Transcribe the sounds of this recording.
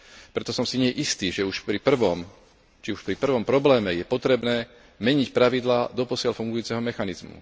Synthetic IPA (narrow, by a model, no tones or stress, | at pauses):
pɾɛt̪ɔsɔmsiɲɪɛɛʔist̪iːʒɛuʃpɾipr̩ʋɔm | t͡ʃiuʃpɾipr̩ʋɔmpɾɔblɛːmɛjɛpɔt̪ɾɛbnɛː | mɛɲicpɾaʋid̪laːd̪ɔpɔsɪalfuŋɡujuːt͡sɛɦɔmɛxanizmṵ